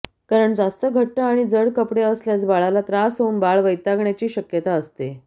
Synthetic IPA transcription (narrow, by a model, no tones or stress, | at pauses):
kaɾəɳd͡zast̪əɡʱəʈːəaɽ̃id͡zəɽkəpɽeəsljat͡sbaɭalat̪ɾasɦonbaɭʋəjt̪aɡɳjat͡ɕiːɕəkjət̪aəst̪e